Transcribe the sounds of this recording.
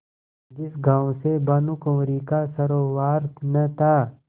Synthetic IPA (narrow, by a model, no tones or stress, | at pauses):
d͡ʒɪsɡaːõsebɐnʊkõːɾikasɐɾoːwaːɾt̪ʰnɐt̪ʰaː